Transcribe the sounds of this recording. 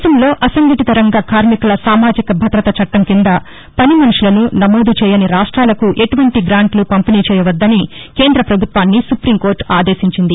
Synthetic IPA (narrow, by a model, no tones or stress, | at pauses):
sɐmlo̞ːʔɐsɐŋɡɐʈit̪ɐɾɐŋɡaːkaːɾmikulɐsaːmaːd͡ʒikɐbʱɐd̪ɾɐt̪ɐt͡ʃɐʈːɐmkind̪ɐ | pɐnimɐnuʂulɐnunɐmoːd̪ut͡ʃɛːjɐniɾaːʂʈɾaːlɐkuʔeʈuʋɐɳʈiɡɾaːɳʈlupɐmpiniːt͡ʃɛːjɐʋɐd̪ːɐnike̞ːnd̪ɾɐpɾɐbʱut̪ʋaːnːisupɾiːmko̞ːɾʈaːd̪eːʃiɲt͡ʃind̪i